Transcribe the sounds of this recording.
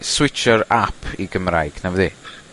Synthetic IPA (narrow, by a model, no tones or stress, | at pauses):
swɪt͡ʃəɾapʰiɡəmrajɡ̥navði